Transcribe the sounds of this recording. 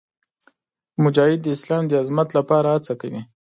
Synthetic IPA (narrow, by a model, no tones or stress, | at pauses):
mʊd͡ʒɑhɪd̪̚ːəɪslɑmd̪əazmat̪lapɑɾaat͡sakawi